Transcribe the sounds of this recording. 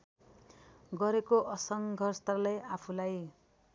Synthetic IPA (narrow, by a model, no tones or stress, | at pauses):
ɡʌɾekoʔʌsʌŋɡʱʌrst̪alajapʰulaj